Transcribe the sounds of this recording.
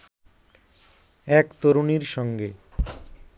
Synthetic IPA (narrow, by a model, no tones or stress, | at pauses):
ɛkt̪oɾuniɾʃɔŋɡe